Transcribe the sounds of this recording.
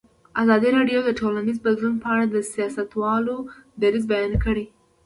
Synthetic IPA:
azɑd̪iɾɑɖjowd̪əʈʰolanizbad̪lunpəaɽad̪əsijɑsat̪wɑlod̪aɾizbajɑnakəɽi

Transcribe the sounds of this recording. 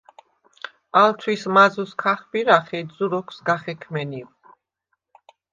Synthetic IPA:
alt̪ʰwismazuskʰaχbiɾaχɛd̪zuɾɔkʰsɡaχɛkʰmɛni

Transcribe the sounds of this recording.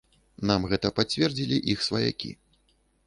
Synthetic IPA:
namɣɛt̪ɐpat͡sʲvʲɛrd͡zʲilʲiʔixsvɐja̰kʲḭ

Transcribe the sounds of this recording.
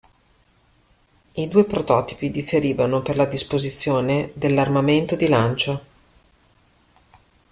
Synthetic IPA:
id̪uːepɾot̪ɔːt̪i̥pid̪ifeɾiːvanoperlad̪ispozit̪sːjoːned̪elːarmament̪od̪ilant͡ʃo

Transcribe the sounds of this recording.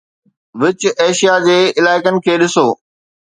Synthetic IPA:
ʋɪt͡ɕʊeːʃijad͡ʑeːɪlaːɪkənɪ̆kʰeːɗɪsoː

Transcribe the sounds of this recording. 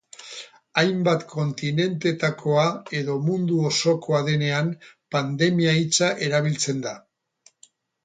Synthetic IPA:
ajmbat̪kʰo̞nt̪ine̞nt̪e̞t̪akʰo̞ae̞ðo̞mund̪uoso̞kʰo̞aðe̞ne̞ampand̪e̞miait͡saʔe̞ɾaβ̞ilt͡se̞nd̪a

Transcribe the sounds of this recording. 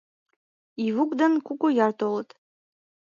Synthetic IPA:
ivukʼd̪ankʰʷukʷʼʊjart̪ʰʼolt̪ʼ

